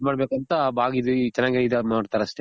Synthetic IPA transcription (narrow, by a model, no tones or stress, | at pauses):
maːɽbekɐnt̪ɐbaːɡid̪ut͡ʃɛnaːɡid̪ɐmaːɽt̪aːɾɐsʈ̪e